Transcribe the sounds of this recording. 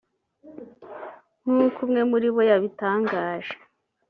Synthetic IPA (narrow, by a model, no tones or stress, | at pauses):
n̥uːkumŋe̞muɾiβo̞jaβitaːŋɡaːʒ̥e̥